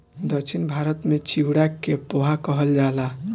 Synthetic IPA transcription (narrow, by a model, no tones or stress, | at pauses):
d̪əkt͡ʃʰinbʱaɾət̪met͡ʃiwɽakepoɦakəɦəld͡ʒala